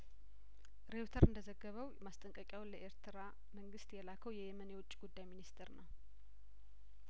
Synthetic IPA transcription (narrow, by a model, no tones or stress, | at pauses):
ɾe̞wt̪ʰəɾɨnd̪əzəɡːəβəwmast̪ʼəŋkʼəkʼjawnləʔeɾt̪ʰɨɾa | məŋɡɨst̪jɛlakʰəwjɛjɛmənjɛwʊt͡ʃʼːiɡud̪ːajminist̪ʰeɾnaw